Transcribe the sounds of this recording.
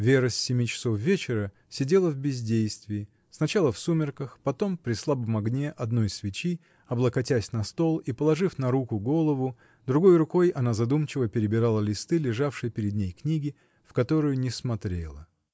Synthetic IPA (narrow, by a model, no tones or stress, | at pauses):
vʲeɾəsʲɪmʲit͡ɕɪ̥so̞fvʲet͡ɕɪɾə | sʲɪdʲe̞lˠəvbʲɪzʲdʲejst̪vʲɪː | snɐt͡ɕalˠəfsumʲɪrkəxpɐt̪o̞mpɾʲɪslˠabəmɐɡnʲeʔɐd̪nojsvʲɪt͡ɕi | ɐblˠəkɐtʲæsʲnɐst̪o̞lˠipəlˠɐʐɨfnɐɾukʊɡo̞lˠəvʊ | d̪ɾʊɡo̞jɾʊko̞jɐnazɐd̪umt͡ɕɪvəpʲɪɾʲɪbʲɪɾalˠəlʲɪst̪ɨlʲɪʐafʂɨjpʲɪɾʲɪd̪̚nʲejknʲiɡʲɪ | fkɐt̪o̞ɾʊjʊnʲɪsmɐt̪ɾʲḛlˠə